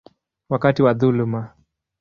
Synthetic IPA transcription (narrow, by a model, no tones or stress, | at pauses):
wakatiwaðuluma